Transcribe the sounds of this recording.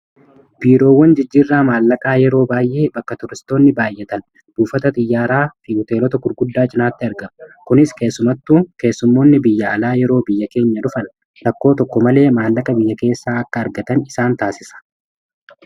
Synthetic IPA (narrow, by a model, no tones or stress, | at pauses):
b̥iːɾo̞ːwːɐnd͡ʒɪd͡ʒːiːrːaːmaːlːɐkʼaːjɛɾo̞ːbaːjʔe̞ːbɐkːɐt̪ɔɾɪst̪o̞ːnːɪbaːjːɛt̪ɐn | b̥uːfɐt̪ɐt̪ʼɪjːaːɾaːfɪhʊt̪e̞ːlɔt̪ɐɡʊɾɡʊd̪ːaːt͡ʃʼɪnaːt̪ːɪɐɾɡɐmkʊnɪske̞ːsːʊmɐt̪ːuːke̞ːsːʊmːo̞ːnːɪbɪjːɐɐlaːjɛɾo̞ːbɪjːɐke̞ːɲːɐᶑʊfɐn | ɾɐkːo̞ːt̪ɔkːɔmɐle̞ːmaːlːɐkʼɐbɪjːɐke̞ːsːaːɐkːɐːɾɡɐt̪ɐnɪsaːnt̪aːsɪsɐ̥